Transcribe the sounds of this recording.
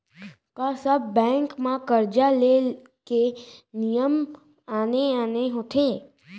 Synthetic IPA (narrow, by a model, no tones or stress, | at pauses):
kasəbːɛ̃ːŋkmãkəɾd͡ʒalel | kenijəm | aːneaːneɦot̪ʰe